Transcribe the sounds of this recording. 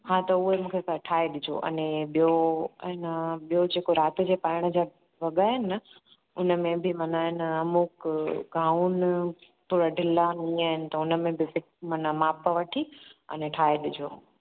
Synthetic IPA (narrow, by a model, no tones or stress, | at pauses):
hãt̪ɐʊɦemũːkʰesaʈʰaːeɗɪd͡ʑʱo̰ːʔɐ̰nẽɓijoɪnəɓijod͡ʑeːkoɾaːt̪ɪ̆d͡ʑepaːɪɽ̃ə̆d͡ʑa | ʋɐɠaːɦɪnə | ʊnə̆mẽbʱɪmɐnaɪnəɐmukɡãːun | p̪uːɽaɖʱɪlaniaːɦɪnɪ̆t̪ɐʊnə̆mẽbʱɪfɪ | mɐnamaːpəʋɐʈʰiɐ̰nẽʈʰaːeɗɪd͡ʑʱo̰ː